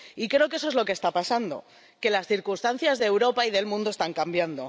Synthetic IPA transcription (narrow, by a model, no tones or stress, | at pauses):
ikɾeokeeso̞e̞zlo̞kest̪apasand̪o̞̰ | ke̞lasθiɾkunst̪an̟θjazðeːwɾo̞paiðe̞lmũnd̪o̞st̪aŋkambjand̪o̞